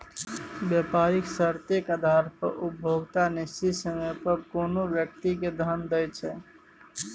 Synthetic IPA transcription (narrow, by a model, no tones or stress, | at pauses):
bjəpaɾiksəɾt̪ekad̪ʱaɾpə̰ɾʔup̚bʱoɡt̪anist̪isəməpəɾkoːnobjək̚t̪iked̪ʱənd̪əjt͡ʃʰɛ